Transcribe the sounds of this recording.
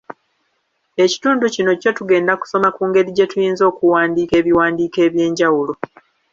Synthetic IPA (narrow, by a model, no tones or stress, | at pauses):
e̞ci̥tuːnducino̞co̞tuɡe̞ːndaku̥so̞makuːŋɡe̞ɾiɟe̞tujiːnzo̞ːkuwaːndiːke̞ːβiwaːndiːke̞ːβje̞ːɲɟawulo